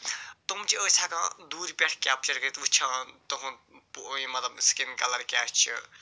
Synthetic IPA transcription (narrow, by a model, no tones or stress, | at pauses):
t̪omt͡ʃiəsʰakãːd̪uːɾipʲeʈʰkʲaːp̚t͡ʃɐɾkəɾit̪ut͡ʃʰãt̪oɦũpuimɐt̪lɐbskinkɐlɐɾkʲaːt͡ʃʰḭ